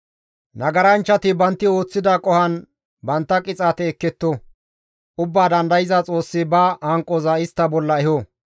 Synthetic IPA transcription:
nɐɡɐɾɐnt͡ʃːɐt̪ɪbɐnt̪ːɪo̞ːt͡sːɪd̪akʼɔhɐn | bɐnt̪ːɐkʼɪt͡sʼaːt̪ɛːkːɛt̪ːo | ʔʊbːaːd̪ɐnd̪ɐjɪzat͡sʼo̞ːsːɪbɐhɐŋkʼːozɐɪst̪ːɐbɔlːɐɛho

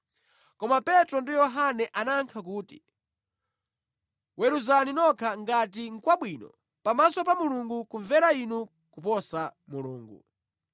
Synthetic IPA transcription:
kɔmapɛtɾɔndijɔɦanɛʔanaŋkʰakuːti̥̰ | wɛɾuzaninɔkʰaŋɡat̬iŋ̩kwaɓwinɔ̰ | pamasɔpamuluŋɡukuɱvɛɾainu | kupɔsa | muluːŋɡṵ

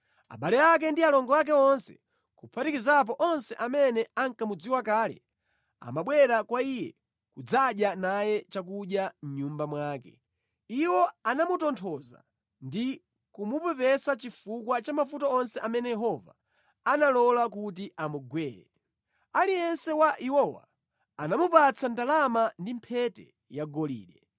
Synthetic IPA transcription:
a̰ɓalɛjak̬ɛndialɔŋɡɔak̬ɛɔnsɛ̥̰ | kupʰatikizap̬ɔʔɔnsɛʔamɛnɛaŋkamud͡ziwakaːlɛ̰ | a̰maɓwɛɾakwaijɛ̰ | kud͡zaɗjanajɛt͡ʃak̬uɗjam̩ɲumbamwaːkɛ | iwɔanamutɔntʰɔza̰ | ndi | kumupɛpɛsat͡ʃifukwat͡ʃamafutaɔnsɛʔamɛnɛjɛɦɔva | analɔlakutiʔamuɡwɛːɾɛ̰ | alijɛnsɛwaʔiwɔwa̰ | anamupat͡sʰandalamandimpʰɛtɛ̰ | jaɡɔlḭːɗɛ

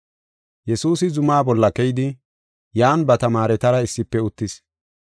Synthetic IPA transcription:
jɛsuːsɪzʊmaːbɔlːɐkɛjd̪ɪ | jaːnbɐt̪ɐmaːɾɛt̪ɐɾɐɪsːɪpːɛʊt̪ːɪs

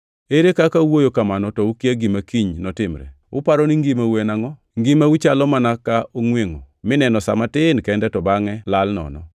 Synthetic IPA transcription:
eɾekakawojokamanɔtɔukaɡimakiɲnɔtɪmɾɛ̰ | ʊ̰paɾɔniŋɡimawenaŋɔ | ŋɡimawit͡ʃalɔmanakaoŋweŋo | mɪnɛnɔsa̰matɪnkɛndɛtɔbaŋɛlalnɔ̰nɔ̰

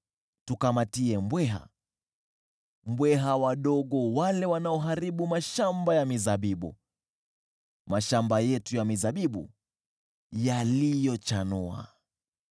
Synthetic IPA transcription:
tukamatiɛmbwɛɦa̰ | mbwɛɦawaɗɔɠɔwalɛwanaɔɦaɾiɓumaʃambajamizaɓiɓṵ | maʃambajɛtujamizaɓiɓṵ | jalijɔt͡ʃanua̰

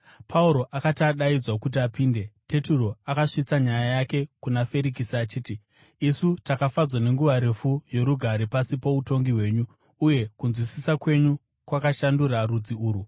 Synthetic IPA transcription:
pʰauɾo̞ʔakataɗaid͡zwakut̬iapiːnde̞te̞turo̞akaʂit͡saɲajajake̞kunafe̞ɾikisiat͡ʃiːti | isutakafad͡zwane̞ŋɡuʋaɾe̞fujo̞ɾuɡʱaɾepasipo̞uto̞ŋɡiɦwe̞ːɲuː | je̞kunzwisisakwe̞ɲu | kwakaʃanduɾarud͡ziuːɾu

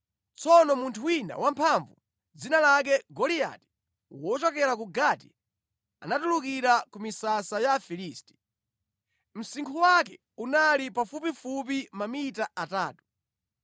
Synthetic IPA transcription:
t͡sɔnɔmuntʰuwina̰wampʰaɱvu | d͡zinalak̬ɛɡɔlija̰ti̥ | wɔt͡ʃɔk̬ɛɾakuɡati | a̰natuluk̬iɾakumisasajafiliːsti̥ | m̩siŋkʰuwak̬ɛ | unalipafupifup̬imamitaataːtu̥

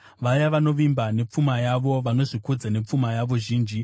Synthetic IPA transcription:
ʋajaʋano̞ʋimbane̞p͡fumajaʋo̞ʋano̞ʐikud͡zane̞p͡fumajaʋo̞ʒiːnd͡ʒi

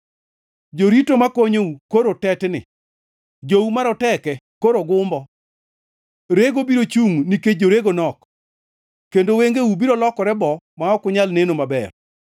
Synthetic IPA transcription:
d͡ʒoɾitomakoɲoukoɾotɛtnɪ̰ | d͡ʒoumaɾɔtɛkɛ | koɾoɡʊmbɔ | ɾeɡobiɾot͡ʃuŋniked͡ʒoɾeɡonɔk | kendoweŋɡeubiɾolɔkɔɾɛbɔ | maɔkʊɲalnenomabɛ̰r

